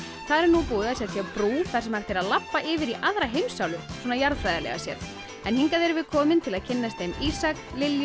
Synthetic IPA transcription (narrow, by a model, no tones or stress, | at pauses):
θaðɾɛɾnupuːðɪasjɛt̪fjɛpɾuːθaɾsɛmhaft̪ʰɪɾaðlapːaʔɪːvɪɾiʔaðɾaɦejmsawlʏswɔːnajaɾðfɾajðalɛ̰ɣa̰sjɛ̰ɾ | ɛnhiŋkaðɛɾvɪðkʰɔːmɪnt̪ʰɪlaðcʰɪnːast̪ejmisaklɪlj